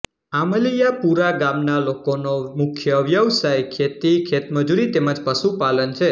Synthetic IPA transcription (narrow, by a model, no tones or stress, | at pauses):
aməlijapuɾaɡamnalokonomʊkʰjəʋjəʋsajkʰet̪ikʰet̪məd͡ʒuɾit̪eməd͡ʒpəʃupalənt͡ʃʰe